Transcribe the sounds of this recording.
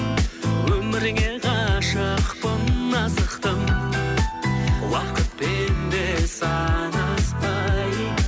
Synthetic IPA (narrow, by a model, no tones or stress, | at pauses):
wɵmɪɾɡʲe̞qʰɑʃəqpənɑzəqt̪əm | wɑqət̪̚penbesɑnɑspɑj